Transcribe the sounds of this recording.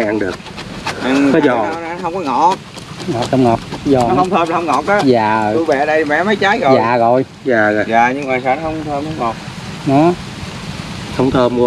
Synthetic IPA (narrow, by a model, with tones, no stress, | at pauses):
ʔa˧nɗɨ˨˩ək̚ʔɨ˨˩kɔ˨˦zɔ˨˩a˧wna˨˧˨hə˧wŋ͡mkɔ˨˧˦ŋɔ̰˧˩ | ŋɔ˨˩t̚ə˧wŋ͡mŋɔ˨˩t̚zɔ˨˩nɔ˦hə˧wŋ͡mt̪ʰəː˧mla˨˩hə˧wŋ͡mŋɔ˨˩k̚ɗɔ˨˦jaː˨˩˨u˧ɓɛ̰˨˩˨ɗə˧jmɛ̰˧˨˥mə˨˦jt͡ɕaː˨˦jɣɔ˨zaː˨˩ɣɔ˨˩j | zaː˨˩ɣɔ˨˩zaː˨˩ɲɨ˧ŋvaː˨˩saː˧˩nɔ˦hə˧wŋ͡mt̪ʰəː˧mhə˧wŋ͡mŋɔ˨˩t̚ | nɔ˨˦ | hə˧wŋ͡mt̪ʰəː˧m˧